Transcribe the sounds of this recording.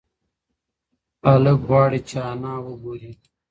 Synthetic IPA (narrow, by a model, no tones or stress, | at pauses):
ɐlək̚baːɽit͡ɕʰaːnaːwuɡuɾiː